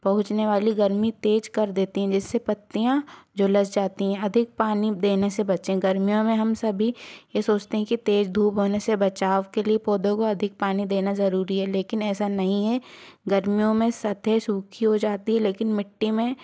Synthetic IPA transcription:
pɐɦʊ̃t͡ʃneʋaːliɡɐɾmit̪eːd͡ʒkɐɾd̪eːt̪iɦɛ̃d͡ʒɪsːepɐt̪ːijãd͡ʒoləsd͡ʒaːt̪iɦɛ̃ɐd̪ʱɪk̚paːnid̪eːnesebɐt͡ʃẽɡɐɾmijõmẽɦɐmsɐbʱijesoːt͡ʃt̪eɦɛ̃kit̪eːd͡ʒd̪ʱuːpɦoːnesebɐt͡ʃaːʋkeliepoːd̪õkoɐd̪ʱɪk̚paːnid̪eːnazɐɾuːɾiɦɛleːkɪnɛːsanɐɦĩɦɛɡɐɾmijõmẽsɐt̪ʰesuːkʰiɦod͡ʒaːt̪iɦɛleːkɪnmɪʈːimẽ

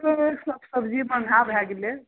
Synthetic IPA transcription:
t̪ɔeksəbsəbd͡ʒibənʱabʱɛɡele

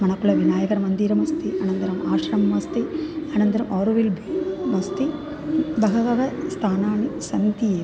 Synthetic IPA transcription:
mɐnɐkːuɭɐʋinaːjɐkɐɾmɐnd̪iːɾɐmɐst̪iʔɐnɐnd̪ɐɾɐmaːʂɾɐmɐmɐst̪iɐnɐnd̪ɐɾɐmʔoːɾʋilbmɐst̪i | bɐɣɐʋɐʋɐst̪ʰaːnaːɳisɐnt̪ijeː

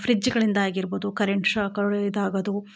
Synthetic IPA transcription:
fɾid͡ʒːiɡɐɭind̪ɐaːɡiɾbud̪ukɐɾeɳʈʂakɐɭd̪aːɡɐd̪u

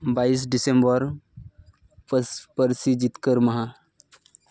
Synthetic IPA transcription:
bais̬ɖisembəɾ | ppəɾsid͡ʑit̪kəɾməɦa

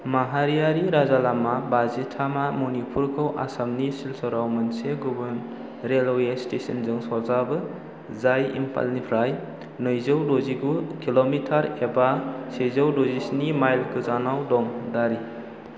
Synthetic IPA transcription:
maɦaɾijaɾiɾazalamabazitʰamamunipʰuɾkʰɯwʔa̰samnisilsɔɾawmɯnseɡubun | ɾelɔwestesɐnzɯŋsɔzabɯ | zajḭmpʰa̰lnipʰɾaj | nɯjzɯwdoziɡukilomitʰaɾebasezɐwdozisnimajlkʰɯzanawdɔŋdaɾi

